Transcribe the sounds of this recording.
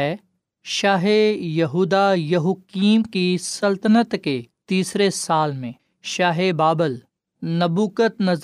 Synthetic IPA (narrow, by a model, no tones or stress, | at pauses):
ɛː | ʃaːɦejɐɦuːd̪ajɐɦukiːmkisɐlt̪ənət̪ket̪iːsɾesaːlmẽ | ʃaːɦebaːbəl | nɐbuːkət̪nɐz